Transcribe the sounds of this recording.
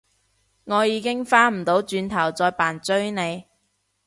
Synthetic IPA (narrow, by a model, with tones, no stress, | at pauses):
ŋɔː˨˧jiː˨˧kɪ˥ŋfaː˥m̩˨˩t̪o˨˥wt͡ʃyː˨˧nt̪ʰɐ˨˩wt͡sɔː˧jpaː˨˩nt͡ʃɵ˥ɥne˨˧j